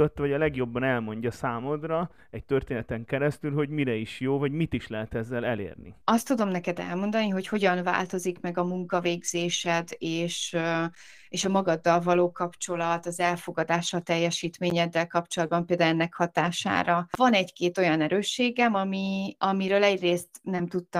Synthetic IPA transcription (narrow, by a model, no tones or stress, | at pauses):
ot̪ːvɒɟɒlɛɡjo̞bːɒnɛlmo̞ɲɟɒsaːmod̪rɒ | ɛc̚t̪ørt̪eːnɛt̪ɛŋkɛɾɛst̪ylɦo̞ɟmiɾɛiʃjoːvɒɟmit̪iʃlɛɦɛt̪ɛzːɛlɛlḛːrnḭɒst̪ːud̪o̞mnɛkɛd̪ɛ̰lmo̞nd̪ɒniɦo̞cho̞ɟɒnva̰ːlt̪o̞zikmɛɡɒmuŋkɒveːɡz̥eːʃɛd̪eːʃ | eːʃɒmɒɡɒd̪ːɒlvɒloːkɒpt͡ʃo̞lɒt̪ɒzɛlfo̞ɡɒd̪aːʃɒt̪ɛjːɛʃiːt̪meːɲɛd̪ːɛlkɒpt͡ʃo̞lɒd̪̚bɒmpeːld̪ɛɛnːɛkhɒt̪aːʃa̰ːɾɒvɒnɛɟkeːt̪o̞jɒnɛɾøːʃːeːɡɛmɒmiɒmiɾøːlɛɟreːst̪nɛmt̪ut̪ːɒ